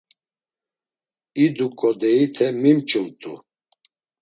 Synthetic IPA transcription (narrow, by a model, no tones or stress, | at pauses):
id̪ukʼɔd̪ɛit̪ʰɛmimt͡ʃʼult̪ʼṵ